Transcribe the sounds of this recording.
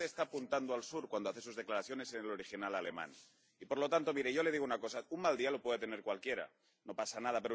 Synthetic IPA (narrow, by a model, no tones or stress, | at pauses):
eːst̪apunt̪and̪oalsuɾkwand̪oaθe̞s̬uzðe̞klaɾaθjo̞ne̞se̞nelo̞ɾixinalale̞mã̰n | ipoɾlo̞t̪ant̪o̞miɾeʝo̞le̞ð̞iɣunako̞saummald̪ialo̞pwe̞ðet̪e̞ne̞ɾkwalkje̞ɾa̰ | no̞pasanað̞ape̞ɾo